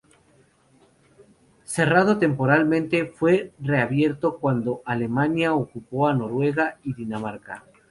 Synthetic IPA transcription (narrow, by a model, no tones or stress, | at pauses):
se̞rað̞o̞t̪e̞mpo̞ɾalmẽnt̪e̞fwe̞re̞aβje̞ɾt̪o̞kwand̪o̞ʔale̞mãnjaokupo̞ano̞ɾwe̞ɣ̞aiðinamaɾka̰